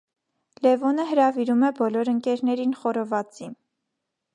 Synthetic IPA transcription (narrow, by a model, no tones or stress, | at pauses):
lɛvɔnəɦəɾɑviɾumɛbɔlɔɾəŋkɛɾnɛɾinχɔɾɔvɑt͡sin